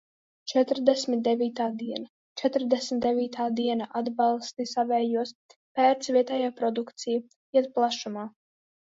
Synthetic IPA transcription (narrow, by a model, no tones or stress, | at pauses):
t͡ʃɛt̪ɾd̪ɛsmʲit̪̚d̪ɛvʲiːt̪aːd̪iɛna | t͡ʃɛt̪ɾd̪ɛsmʲit̪d̪ɛvʲiːt̪ʰaːd̪iɛnaʔad̪bɑlˠst̪isavɛːjuɔspæːɾt̪svʲiɛt̪ɛjaːpɾɔd̪ukt̪siju | iɛt̪̚plˠaʃumaː